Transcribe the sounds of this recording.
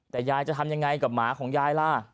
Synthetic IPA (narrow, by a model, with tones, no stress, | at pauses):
t̪ɛː˨˩jaː˧jt͡ɕa˨˩t̪ʰa˧mja˧ŋːa˧jka˨˩p̚maː˩˦kʰɔː˩˦ŋjaː˧jla˧˩